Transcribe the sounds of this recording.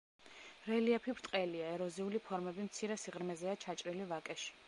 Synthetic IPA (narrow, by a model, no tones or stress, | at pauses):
ɾɛliapʰibɾt̪ʼqʼɛliaɛɾɔziulipʰɔɾmɛbimt̪sʰiɾɛsiʁɾmɛzɛat͡ʃʰat͡ʃʼɾilivakʼɛʃi̥